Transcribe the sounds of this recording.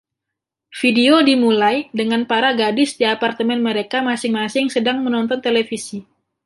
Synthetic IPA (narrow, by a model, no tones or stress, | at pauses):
fideodimulajdəŋanpaɾaɡadɪsdiapart̪əmɛnməɾekamasɪŋmasɪŋsədaŋmənɔnt̪ɔnt̪elefisi